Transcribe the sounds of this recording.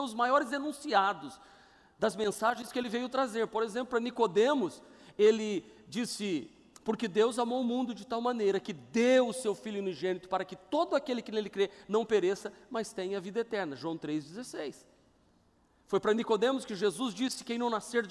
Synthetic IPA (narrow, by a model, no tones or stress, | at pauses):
ʊzmajɔɾɪzd̪enũsiad̪ʊs | d̪ɐzmẽsaʒẽj̃skɪelɪvejʊt̪ɾazeɾpoɾezẽp̬lʊpɾɐnikod̪ẽmʊs | elɪd͡ʒisɪ | poɾkɪd̪ewzamowʊmũnd̪ʊd͡ʒɪt̪awmɐ̃nejɾɐkɪd̪eʊsewfiljʊuniʒẽnit̪ʊ̥paɾɐkɪt̪od̪ʊakelɪkɪnelɪkɾenɐ̃w̃peɾesɐmɐst̪ẽjɐvid̪ɐet̪ɛɾnɐʒwɐ̃w̃t̪ɾezd͡ʒɪzesejs | fojpɾɐnikod̪ẽmʊskɪʒezuzd͡ʒisɪ̥kẽj̃nɐ̃w̃naseɾ